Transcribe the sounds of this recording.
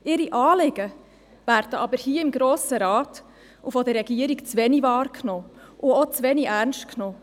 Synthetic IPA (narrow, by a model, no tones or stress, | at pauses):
ɪɾiʔɑːlɪɡ̥ə | væɾdəʔɑbəɾhiːəɪmɡɾoːsəɾɑːt | ufɔd̪əɾːɛɡ̥iəɾikt͡sʋɛnivɑːɾkʰnoːʔʊɔt͡sʋɛniʔæɾnʃtknoː